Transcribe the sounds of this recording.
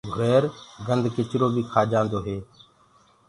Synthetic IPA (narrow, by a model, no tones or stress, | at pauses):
ɡʱʊɾeːɾɡənd̪ʱkɪt͡ʃɾoːbʱiːkʰaːd͡ʒãːnd̪oːɦeː